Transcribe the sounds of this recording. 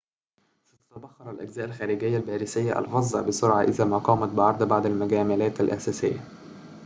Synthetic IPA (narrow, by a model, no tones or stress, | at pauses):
sɑt̪ɑ̥t̪æbɑxːɑɾˤælʔæɡzæːʔælxæːɾɪɡɪjːælbæːɾɪsɪjːaʔæ̰lɣɑzˤːɑ̰bɪsʊɾʕɑʔɪðæːmæːqɑːmɑt̪̚bɪʕɑɾˤd̪ˤbaʕd̪ælmæɡæːmælæːt̪ælʔæ̰sæːsɪjːæ